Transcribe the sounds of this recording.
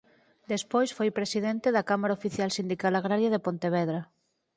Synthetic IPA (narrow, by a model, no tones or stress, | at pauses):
d̪espojsfojpɾesiðɛnt̪eðɐkamaɾaofiθjalsind̪ikalaɣɾaɾjaðepont̪eβ̞ɛðɾa